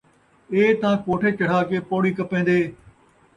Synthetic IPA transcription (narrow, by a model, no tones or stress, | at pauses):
eːt̪ɐãːkoːʈʰeːt͡ʃɐɽ̤aːkeːpoːɽiːkɐpẽːn̆d̪eː